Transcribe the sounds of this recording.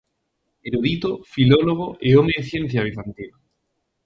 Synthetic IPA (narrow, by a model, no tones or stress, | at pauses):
eɾuðit̪ofiloloɣ̞oʔeomeθjẽn̟θjaβ̞iθant̪ina